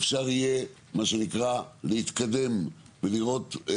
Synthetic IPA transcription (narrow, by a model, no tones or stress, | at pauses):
fʃaʁije | maʃenikʁalehit̪kad̪e̞m | veliʁo̞t̪